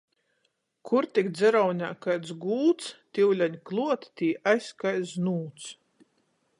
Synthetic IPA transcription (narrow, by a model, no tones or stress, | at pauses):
kʰuɾt̪ikd̪zʲɛɾawnʲaːkajt̪sɡuːt̪st̪ʲiwlʲaɲʲklˠuɔt̪t̪ʲiːʔajskajsnuːt̪s